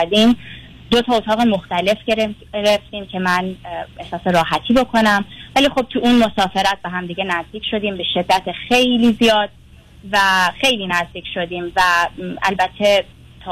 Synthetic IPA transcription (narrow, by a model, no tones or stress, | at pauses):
d̪iːm | d̪o̞t̪ʰɒːot̪ʰɒːɣemo̞xt̪æle̞fɟe̞ɾe | ɾeft̪iːmcʰe̞mæne̞hsɒːseɾɒːɦæt̪ʰiːbo̞kʰo̞næmvæliːxo̞b̚t̪ʰuʔuːnmo̞sɒːfe̞ɾæt̪̚beɦæmd̪iːɟenæzd̪iːcʰʃo̞d̪iːmbe̞ʃe̞d̪ːæt̪ʰexe̞jliːzijɒːd̪̥̚ | væxe̞jliːnæzd̪iːcʰʃod̪iːmvæʔælbæt̪ʰːe̞ | t̪ʰɒː